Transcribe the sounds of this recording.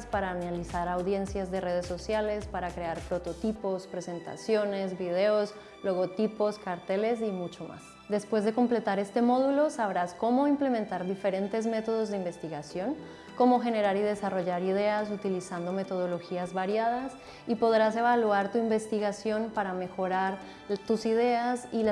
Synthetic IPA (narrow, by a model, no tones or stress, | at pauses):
spaɾaːnalisaɾawðje̞nsjazðe̞re̞ð̞esːo̞sjale̞spaɾakɾe̞aɾpɾo̞t̪o̞t̪ipo̞spɾe̞se̞nt̪a̰sjo̞ne̞zbiðe̞os | lo̞ɣo̞t̪ipo̞skaɾt̪e̞le̞s̬imut͡ʃo̞ma̰s | d̪e̞spwe̞zðe̞ko̞mple̞t̪aɾe̞st̪e̞mo̞ð̞ulo̞saβɾasko̞mo̞imple̞ment̪aɾðife̞ɾe̞nt̪e̞zme̞t̪o̞ð̞o̞zðeimbe̞st̪iɣasjo̞n | ko̞mo̞xe̞ne̞ɾaɾið̞e̞saro̞ʝaɾiðe̞as̬ut̪ilisand̪o̞me̞t̪o̞ð̞o̞lo̞xiazβaɾjað̞as | ipo̞ðɾase̞βalwaɾt̪uimbe̞st̪iɣasjo̞npaɾame̞xo̞ɾaɾ | t̪usiðe̞asil